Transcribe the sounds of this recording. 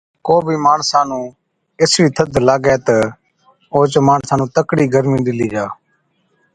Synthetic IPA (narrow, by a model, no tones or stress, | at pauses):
koːbʱiːmaːɳsaːnũː | ɪsɾiːt̪ʰəd̪ʱlaːɡɛːt̪ə | oːt͡ʃmaːɳsaːnũːt̪əkɽiːɡəɾmĩːɗ̪ɪliːd͡ʒaː